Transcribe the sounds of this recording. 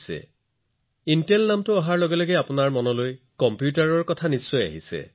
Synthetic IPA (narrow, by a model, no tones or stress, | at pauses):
sɛ̰ | intelnamtʊaɦaɹlɔɡɛlɔɡɛapʊnaɹmɔnɔloj | kɔmpjutaɹɔɹkɔtʰanisːɔja̰ɦisɛ̰